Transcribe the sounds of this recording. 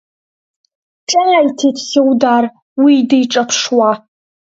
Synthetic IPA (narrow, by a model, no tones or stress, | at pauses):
ʈ͡ʂʼɐjajtʰetʰsewdaːr | widejʈ͡ʂʼɐpʰʂwa